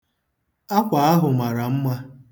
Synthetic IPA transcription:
a˦kʷa˨a˦ɦʊ˨ma˨ɾa˨m̩˦ma˦

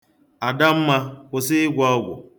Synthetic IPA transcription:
a˨da˦m̩˦ma˦kʷʊ˨sɪ˦ɪ˦ɡʷɔ˦ɡʷʊ̰˨

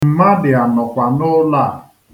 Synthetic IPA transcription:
m̩˨ma˦dɪ˨a˨nɔ˨kʷa˨nʊ˦la˦˨

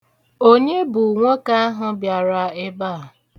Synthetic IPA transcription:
o˦ɲe˦bʊ˨ŋʷo˦ka˦a˦ɦʊ˦bja˨ɾa˨ɪ˦ba˦˨

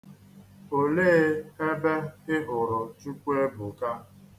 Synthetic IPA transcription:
o˨leː˦e˦be˦ɪ˦ɦʊ˨ɾʊ˨t͡ʃu˦kʷe˦bʊ˨ka˦

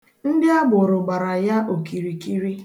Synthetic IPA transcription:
n̩˦dɪ˦a˦bʊ˨ɾʊ˨ɡ͡ba˨ɾa˨ja˦ʔo˨ki˨ɾi˨ki˦ɾi˦

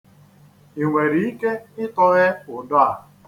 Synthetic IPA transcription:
i˨ŋʷe˨ɾi˨i˦ke˦ɪ˦tɔ˦ɣe˦ʊ˨dɔ˦a˨

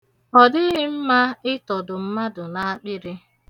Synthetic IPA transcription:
ɔ˨dɪ˦ɦɪ˦m̩˦ma˦ɪ˦tɔ˨dʊ˨m̩˦ma˦dʊ˨na˨a˦k͡pɪ˦ɾɪ˦

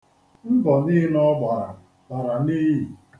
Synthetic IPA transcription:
m̩˦bɔ˨nɪː˦nɔ˦ɡ͡ba˨ɾa˨ | ta˨ɾa˨ni˦ji˨

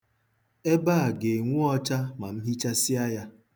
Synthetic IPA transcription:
e˦ba˦a˨ɡe˨ŋʷu˦ɔ˦t͡ʃa˦ma˨m̩˦ɦi˦t͡ʃa˦si˦a˦ja˦

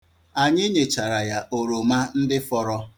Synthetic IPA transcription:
a˨ɲɪ˦ɲe˨t͡ʃa˨ɾa˨ja˨ʔo˨ɾo˨ma˦n̩˦dɪ˦fɔ˦ɾɔ˦

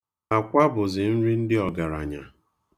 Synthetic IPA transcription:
a˨kʷa˦bʊ˨zɪ˨n̩˦ɾi˦n̩˦dɪ˦ɔ˨ɡa˨ɾa̰˨ɲa̰˨

